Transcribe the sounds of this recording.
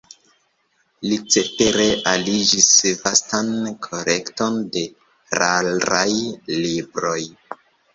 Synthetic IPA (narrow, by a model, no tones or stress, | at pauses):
lit͡seteɾe̞ʔalid͡ʒisvastankʰo̞ɾe̞kto̞nde̞ | ɾalɾajlibɾo̞j